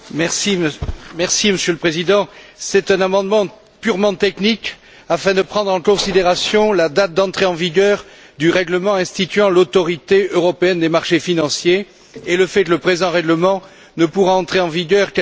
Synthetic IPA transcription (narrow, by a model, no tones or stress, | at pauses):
mɛʁsimɛʁsiməsjøləpχezid̪ɑ̃sɛt̪ɛ̃namɑ̃d̪mɑ̃ | pyʁmɑ̃t̪ɛknik | afɛ̃d̪əpχɑ̃d̪ʁɑ̃kɔ̃sid̪eʁasjɔ̃lad̪at̪̚d̪ɑ̃t̪χeɑ̃viɡœʁ | d̪yʁɛɡləmɑ̃ɛ̃st̪it̪ɥɑ̃lot̪ɔʁit̪eøʁɔpeɛnd̪emaʁʃefinɑ̃sjeː | ləfɛkləpχezɑ̃ʁɛɡləmɑ̃ | nəpuʁaɑ̃t̪χeɑ̃viɡœʁkɛ